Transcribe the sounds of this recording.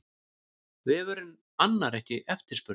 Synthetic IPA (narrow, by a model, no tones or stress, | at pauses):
vɪvɛːɾʏm | anːaɾɛhcɪʔɛft̪ɪɾspʏɾ